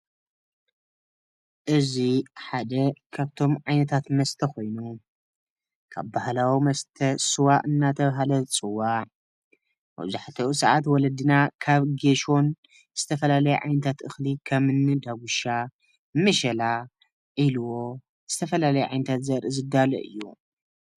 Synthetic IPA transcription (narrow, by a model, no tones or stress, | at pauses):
ʔɨziħad̪ɐkʰaβt̪ʰo̞mʕajnɐt̪ʰat̪mɐst̪ʰɐko̞jnu | kʰa̰βbahlawimɐst̪ʰɐsɨwaʔɨnːat̪ʰɐβɦalɐt͡sʼɨwːaʕ | mɐ̰zaħt̪ʰɐʔusɐʕat̪wɔlɐd̪ɨnakʰaβɡeʃo̞n | z̥ɨt̪ʰɐfɐlalɐjɛʕa̰jnɐt̪ʰat̪ʔɨxlikʰɐmɨnːɨd̪aɡuʃa | mːɨʃɐla | ʔiluwo̞ | z̥ɨt̪ʰɐfɐlalɐjɛʕajnɐt̪ʰat̪zɐɾɨzɨd̪alɐ̰ʔɨ̰jːṵ